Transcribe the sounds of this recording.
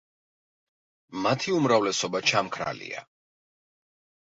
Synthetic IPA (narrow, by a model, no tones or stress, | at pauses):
mat̪ʰiumɾavlɛsɔbat͡ʃʰamkʰɾa̰lḭa̰